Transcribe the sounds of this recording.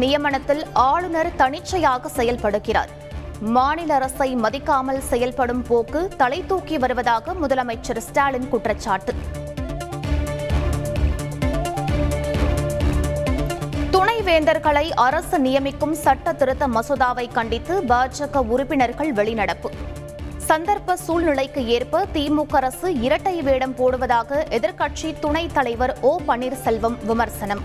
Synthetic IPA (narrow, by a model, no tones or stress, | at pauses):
nɪjɐmɐɳɐt̪ːɪlaːɭɯnɐɾt̪ɐɳɪt͡ʃːɐjaːɣɐsɛjɐlpɐɽɯkːɪra̰ːɾ | maːnɪlɐɾɐsɐɪmɐðɪkːaːmɐlsɛjɐlpɐɽɯmpoːkɯt̪ɐlɐɪt̪ːuːkiʋɐɾɯʋɐðaːɣɐmʊðɐlɐmɐɪt͡ʃːɐɾsʈaːlɪnkʊʈrɐt͡ʃːaːʈːɯ | t̪ʊɳɐɪʋeːnd̪ɐɾɣɐɭɐɪʔɐɾɐsɯnɪjɐmɪkːɯmsɐʈːɐt̪ɪɾɯt̪ːɐmɐsoðaːʋɐɪkɐɳɖɪt̪ːɯbaːɾd͡ʒɐɣɐʊɾʊpːɪnɐɾɣɐɭʋɛɭɪnɐɽɐpːɯ | sɐnd̪ɐɾpɐsuːlnɪɭɐɪkːɯeːrpɐt̪iːmuːkːɐɾɐsɯɪɾɐʈːɐjʋeːɽɐmpoːɽɯʋɐðaːɣɐʔɛðɪɾkɐʈʂit̪ʊɳɐɪt̪ːɐlɐɪʋɐɾoːpɐɳiːɾsɛlʋɐmʋɪmɐɾsɐnɐm